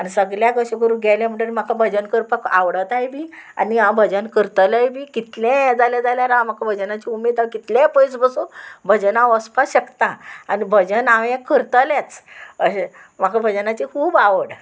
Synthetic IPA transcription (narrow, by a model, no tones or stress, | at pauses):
anisəɡɭjaɡəɕəɡəɾuːɡʱajljam̤əɳɽəlmakʰabʱəd͡ʑənkəɾpəka̰ʋɽət̪ajbʱiːa̰niãbʱəd͡ʑənkəɾt̪lajbʱiːkit̪lɛ̃d͡zaljad͡zaljaɾaam̤akʰabʱəd͡ʑənat͡ɕiumed̪akit̪lɛ̃pəjsbəsubʱəd͡ʑənaəspasɕəkt̪ãanibʱəd͡ʑənãwɛ̃kəɾt̪əljat͡sə | makʰabʱəd͡ʑənat͡ɕikʰuːbaʋəɽ